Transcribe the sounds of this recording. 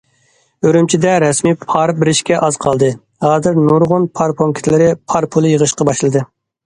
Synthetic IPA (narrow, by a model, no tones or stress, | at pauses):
øɾymt͡ʃʰid̪ɛɾɛsmipʰɑɾbɪɾɪʃkʲɛʔɑzqʰɑlˠd̪ɨ | hɑːzɪɾnuɾʁʊnpʰɑɾpʰoŋkʲʰɪ̥t̪ʰlɪɾɪpʰɑɾpʰulˠɨjəʁəʃqɑbɑʃlˠɨd̪ɨ